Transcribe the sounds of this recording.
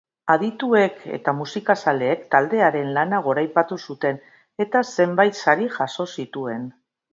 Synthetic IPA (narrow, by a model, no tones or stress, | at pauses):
aðit̪ue̞kʰe̞̰t̪amusikasale̞ːkt̪ald̪e̞aɾe̞nlanaɣ̞o̞ɾajpat̪usut̪e̞n | e̞t̪ase̞mbajt̪saɾiʝaso̞sit̪ue̞n